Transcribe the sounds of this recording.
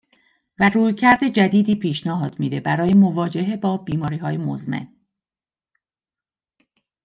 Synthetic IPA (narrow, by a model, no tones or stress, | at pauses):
væruːjcʰæɾd̪e̞d͡ʒæd̪iːd̪iːpʰiːʃnɒɦɒːd̪miːd̪e̞bæɾɒːjemo̞vɒːd͡ʒeɦebɒːbiːmɒːɾiːɦɒːjemozmḛn